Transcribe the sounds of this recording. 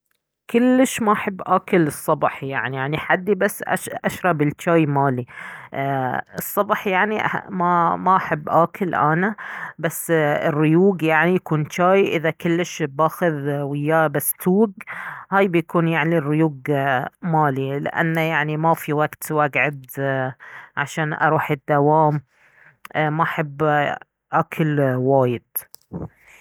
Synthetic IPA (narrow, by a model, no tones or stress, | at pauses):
kʊlːɪʃmaʔaħabːʔaːkɪlɨsˤːɑbħjaʕnijaʕniħad̪ːibasːʔa̰ʃʔaʃɾˤɑbɪlt͡ʃaːjmaːli | ɨsˤːɑbħjaʕniʔa̰mamaʔaħabːʔaːkʰɪlʔa̰nabasːɪrːɪjuːɡjaʕnijakuːnt͡ʃaːjʔɪðakʊlːɪʃbaːxʊðwɪjːabast̪uːɡhaːjbjakuːnjaʕnirːɪjuːɡmaːlilɪ̰ʔa̰nːajaʕnimafiwaɡt̪waɡʕad̪ | ʕa̰ʃaːnʔa̰ɾˤuːħɪd̪ːawaːm | maʔaħabː | ʔaːkʰɪlwaːjɪd̪̥